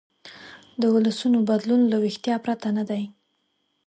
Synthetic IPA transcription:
d̪əʊlasunobad̪lunlawixt̪jɑpɾat̪anad̪aj

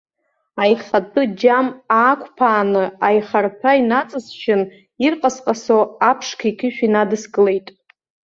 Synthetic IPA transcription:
ajχʲatʰʼɨd͡ʒamaːkʷʰʼpʰaːnɨajχarpʰainat͡sʼɨzʃʰɪn | irqʼasqʼasoapʰʂkʰaikʲʰɪʃᶣinadɨsɡɨle̞jtʼ

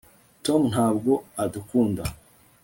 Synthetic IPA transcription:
to̞mn̥haːbɡo̞adukuːnda

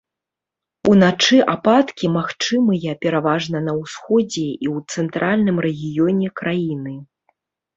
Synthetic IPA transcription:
unat͡ʂɨʔapat̪kʲimaxt͡ʂɨmɨjɐpʲɛɾavaʐnɐnɐwsxɔd͡zʲɛiwt̪sɛnt̪ɾʔalʲnɨmɾɛɣʲijɔnʲɛkɾʔajinɨ

